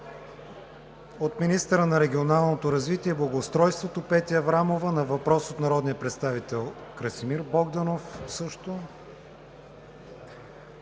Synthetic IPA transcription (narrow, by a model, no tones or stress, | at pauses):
ot̪minist̪əɾənɐɾɛɡʲionalˠnot̪oɾɐzvit̪iɛblˠɐɡoːst̪ɾɔjst̪vot̪opɛt̪ʲiɐvɾamovənɐvɐpɾɔsot̪nɐɾɔd̪nijəpɾɛt̪st̪avit̪ɛlˠkɾɐsimiɾbɔɡd̪ɐnofsɤʃt̪o